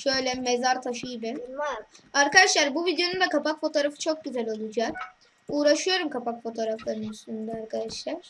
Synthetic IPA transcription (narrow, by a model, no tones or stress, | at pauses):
ʃø̞jlʲɛmezaɾt̪ʰaʃɯjibɪ | aɾkad̪aʃlˠaɾbuvid̪ejo̞nund̪akapakfo̞t̪ʰo̞ɾafɯt͡ʃʰo̞k̚ɟyzælʲo̞lˠud͡ʒaːk | uːɾaʃɯjo̞ɾumkʰapakfo̞t̪ʰo̞ːɾaflˠaɾɯnyst̪ynd̪ɛaɾkʰad̪aʃlˠaɾ̥